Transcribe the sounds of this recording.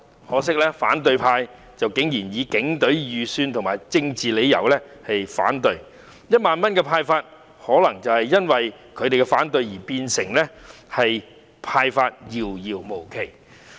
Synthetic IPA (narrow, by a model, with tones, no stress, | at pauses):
hɔː˨˥sɪ˥k̚lɛː˥fa̰ː˨˥nt̪̬ɵ˨˧ɥpʰaː˧j | t͡sɐ˨wkɪ˨˥ŋjiː˨˩njiː˨˧kɪ˨˥ŋt̪ɵ˨˥ɥjyː˨syː˧nt̪ʰʊ˨ŋmaː˨jt͡sɪ˧ŋt͡siː˨le˨˧jɐ̰˨˩wlɛ˥ | hɐ˨jfa̰ː˨˥nt̪ɵ˧ɥ | jɐ˥t̚maː˨nmɐ˥nkɛː˧pʰaː˧jfaː˧t̚ | hɔː˨˥lɐ˨˩ŋt͡sɐ˨whɐ˨jjɐ˥nwɐ˨j | kʰɵ˧ɥt̪e˨jkɛ˧faː˨˥nt̪ɵ˧ɥjiː˨˩piː˧nsɪ˨˩ŋlɛː˥hɐ˨j | pʰaː˧jfaː˧t̚jiː˧wjiː˧wmo˨˩wkʰe˨˩j